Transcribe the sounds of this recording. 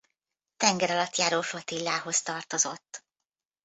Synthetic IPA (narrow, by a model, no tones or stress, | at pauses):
t̪ɛŋɡɛɾɒlɒt̪jaːɾoːfot̪ilːaːɦo̞st̪ɒrt̪o̞zo̞t̪ː